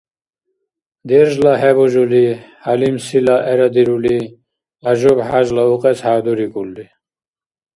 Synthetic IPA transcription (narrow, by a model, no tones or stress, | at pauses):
d̪eɾʒlaɦeboʑulihalimsilaʔeɾad̪iɾuli | aʑobhaʑlauqet͡shaːd̪uɾikulːi